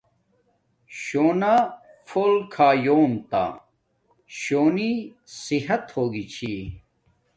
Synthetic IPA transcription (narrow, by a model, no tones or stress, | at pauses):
ɕoːna | foːlkʰaːjoːmt̪a̰ | ɕoːni | siɦɐt̪hoːɡit͡ɕʰi